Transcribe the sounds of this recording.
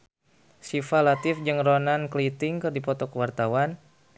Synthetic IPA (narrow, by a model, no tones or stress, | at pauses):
sifalat̪ɪfd͡ʒɨŋronanklit̪ɪŋkɨrdipɔt̪ɔkəwart̪awan